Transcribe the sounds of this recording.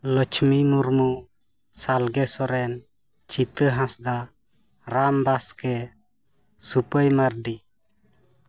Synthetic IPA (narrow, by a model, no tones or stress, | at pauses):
lət͡ʃmimuɾmu | salɡɛsɔɾɛn | t͡ʃit̪əɦãsd̪a | ɾambaskɛ | supəjmaɾɖi